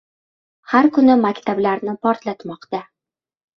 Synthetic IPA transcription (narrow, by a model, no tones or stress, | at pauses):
haɾkʊnɪmakʲt̪ablaɾnɪpʰɒɾt̪lat̪mɒqt̪a